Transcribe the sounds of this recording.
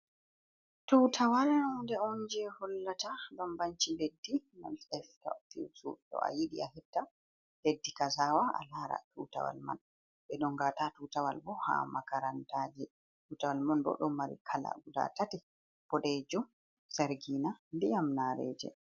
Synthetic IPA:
tutʰawalndɛɔnd͡ʒɛhɔlːatabambaɲt͡ʃiledːina̰lɛfka̰fḭsṵtɔ̰a̰jiɗḭaɦɛtːa | ledːikazaːwaa̰laːɾa̰tuta̰wa̰lma̰n | ɓɛɗɔŋɡaːtatutawa̰lbɔha̰makaɾantaːd͡ʒɛ | tuːtawalmanbɔ̰ɗɔmːaɾḭkʰala̰ɡuda̰tatɛ | b̥ɔɗɛd͡ʒɔ | saɾɡiːnanbijamnaɾɛ̰ːd͡ʒɛ̰

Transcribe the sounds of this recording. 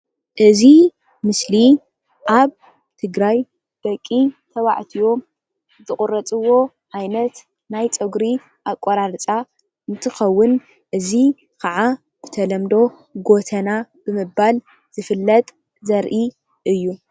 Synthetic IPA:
ʔɨzi | mɨsli | ʔaβ | t̪ʰɨɡɾaj | b̥ɐkʼːit̪ʰɐβa̰ʕt̪ʰijo̞ | zɨχʼʊɾɐt͡sʼɨwo̞ | ʕajnɐt̪ | najt͡sʼɨɡɾi | ʔakʷʼːoɾaɾt͡sʼa | ɨnt̪ʰɨxɐwːʊn | ʔɨzi | kʰaʕa | b̥ɨt̪ʰɐlɐmd̪o̞ | ɡo̞t̪ʰɐnab̥ɨmɨbal | z̥ɨfɨlːɐt̪ʼ | zɐɾʔi | ʔɨjːu

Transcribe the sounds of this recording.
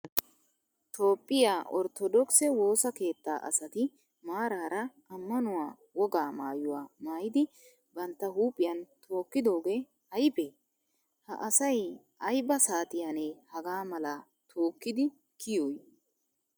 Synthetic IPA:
t̪o̞ːpʼːɪjaːʔɔɾt̪ɔd̪ɔksɛwo̞ːsɐke̞ːt̪ːa̰ːʔɐ̰sɐt̪ɪ | maːɾaːɾɐʔɐmːɐnʊwaː | wɔɡaːmaːjʊwaːmaːjɪd̪ɪ | bɐnt̪ːɐhuːpʼːɪjɐnt̪ʰo̞ːkːɪd̪o̞ːɡeː | ɐjbe | hɐ̰ʔɐsɐj | ɐjbɐsaːt̪ɪjanehɐɡaːmɐlaː | t̪ʰo̞ːkːɪd̪ɪ | kɪjoːj

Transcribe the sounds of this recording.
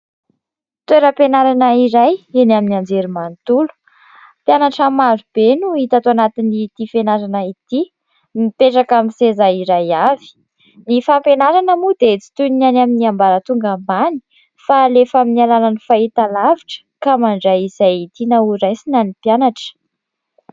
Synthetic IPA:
t̪weɾəpenaɾanəiɾajenaminiand͡zeɾimant̪ulu̥ | pjanaʈ͡ʂamaɾub̥enuit̪at̪oanat̪init̪ifenaɾanait̪i | mipeʈ͡ʂakamisezaiɾajavi̥ | nifampenaɾanəmud̪et͡si̥t̪unanaminiambaɾət̪uŋɡamani̥ | falefaminialananifait̪alaviʈ͡ʂə̥kamaɳɖ͡ʐaizajit̪inauɾajsinanipjanaʈ͡ʂə̥

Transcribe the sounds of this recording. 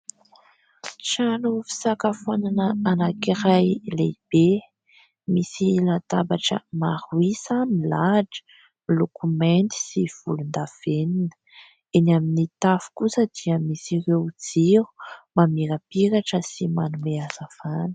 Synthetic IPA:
t͡ʃanufi̥sakafananəanakiɾajlḛb̥e | misilat̪abaʈ͡ʂə̰maɾuisamilaʈ͡ʂə̥ | milokument̪i̥siv̥ulund̪av̥eninə̥ | enaminit̪afu̥kusəd̪iəmisiɾewd͡ziɾu̥mamiɾəpiɾaʈ͡ʂəsimanumeaz̥av̥anə̥

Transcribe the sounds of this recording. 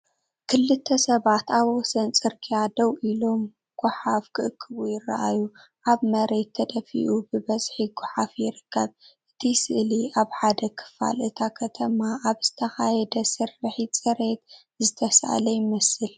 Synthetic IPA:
kʰɨlːɨt̪ʰːɐsɐβat̪aβwɔsɐnt͡sʼɨɾkʰijad̪ɐwʔilo̞m | ɡ̥ʊħafkʰɨʔɨkʰːɨβujɪra̰ʔa̰jːu | ʔaβmɐɾe̞t̪ʰːɐd̪ɐfḭʔubɨbɐzħiɡʊħafjɪɾɨkʰːɐβʔɨt̪ʰisɨʔliaβħad̪ɐkʰɨ̥fa̰lʔɨt̪ʰakʰɐt̪ʰɐmaʔːβzɨt̪ʰɐxajɛd̪ɐsɨrɨħit͡sʼɨɾe̞t̪ | zɨt̪ʰɐsʔa̰lɐjɪmɐsɨl

